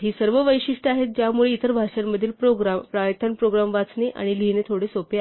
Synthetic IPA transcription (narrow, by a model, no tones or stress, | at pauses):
ɦiːsəɾʋəʋəjɕiʂʈəaɦet̪̚d͡ʑjamuɭeit̪əɾbʱaʂjamːəd̪ʱiːlpɾoɡɾampɾajət̪ʰːənpɾoɡɾamʋat͡sneʔa̰ɽ̃ilinet̪ʰoɽesopea